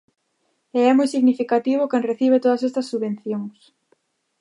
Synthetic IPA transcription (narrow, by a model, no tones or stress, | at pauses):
eɛmujsiɣnifikat̪iβ̞ʊkeŋreθiβ̞et̪oð̞ɐs̬est̪ɐsːuβẽn̟θjoŋs